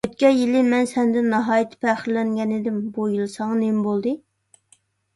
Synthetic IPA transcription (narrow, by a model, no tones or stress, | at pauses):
øt̪kʲɛjilɪmɛnsɛnd̪ɪnːɑɦɑːjit̪ʰːɪ̥pʰæχɪɾlɛŋɡʲɛnɪd̪ɪmbujilˠɨsɑŋɑnembolˠd̪ɨ